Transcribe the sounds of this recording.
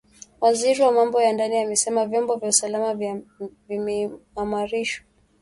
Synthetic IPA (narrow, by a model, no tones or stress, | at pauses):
waziɾiwamambɔjandaniamɛsɛmavjɔmbɔvjausalamavvimiamaɾiʃwa